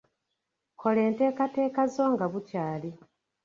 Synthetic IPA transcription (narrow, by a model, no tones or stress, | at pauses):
kʰo̞le̞ːnte̞ːkate̞ːkazo̞ːŋɡaβucaːli